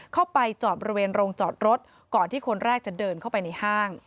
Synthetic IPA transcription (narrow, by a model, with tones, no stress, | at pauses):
kʰa˥˩wpa˧jt͡ɕɔː˨˩t̪̚bɔ˧ɾi˧weː˧nɾoː˧ŋt͡ɕɔː˨˩t̪̚ɾo˦˥t̪̚ | kɔː˨˩nt̪ʰiː˥˩kʰo˧nɾɛː˥˩k̚t͡ɕa˨˩dɤː˧nkʰa˥˩wpa˧jna˧jhaː˥˩ŋ